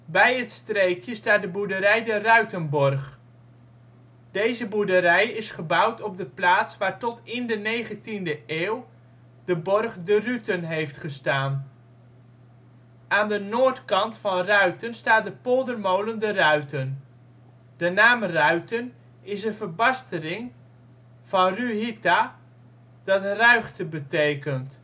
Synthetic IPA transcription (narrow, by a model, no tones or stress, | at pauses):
bɛjətstrejkjəstaːt̚dəbudəɾɛjdərœɥtənbɔrχ | d̥ejzəbudəɾɛjɪsχəbʌwtɔb̚dəplaːtsʋaːɹtɔtɪndənejχəntindəʔeːw | dəbɔrχdərytənɦejftχəstaːn | aːndənoːɹtkɑntfɑnrœɥtənstaːt̚dəpolˠdərmowləndərœɥtən | d̥ənaːmrœɥtən | ɪsənvəɹbɑstəlɪŋ | v̥ɑnryɦikta | d̥ɑtrœɥχtəbətejkənt